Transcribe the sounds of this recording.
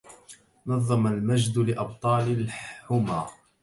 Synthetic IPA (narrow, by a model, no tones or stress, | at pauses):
nɑðˤːɑmalmad͡ʒd̪lɪʔɑb̚t̪ˤɑːlɪlħʊmaː